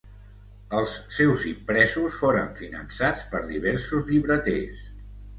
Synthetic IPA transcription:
əlˠsːɛwzimpɾɛzusfoɾəɱfinə̰nsat͡spəɾðiβ̞ɛɾsuzʎiβɾət̪ḛs

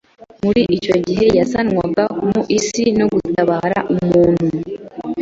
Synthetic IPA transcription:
muɾiʔico̞ɟiɦe̞jasanŋwaɡakumuʔisino̞ɡutaβaːɾa̰ʔumuːnhu

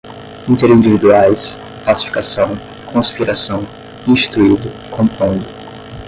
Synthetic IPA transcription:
ĩnt̪eɾĩnd͡ʒivid̪uajs | plasi̥fi̥kasɐ̃w̃ | kʰõspiɾasɐ̃w̃ | ĩst̪ɾuid̪ʊ | kʰõmpõd̪ʊ

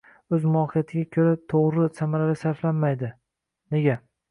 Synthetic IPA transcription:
ɵzmʊɒhijat̪ʰɪɡʲakʲʰɵɾat̪ʰoʁɾɪsamaɾalɪsaɾflanmajd̪ɪ | ne̞ɡʲa

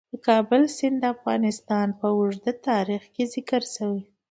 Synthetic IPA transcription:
d̪əkɑbəlsɪnd̪d̪əafɣɑ̰nɪst̪ɑnpəʊʐd̪at̪ɑɾixkezɪkəɾsawi

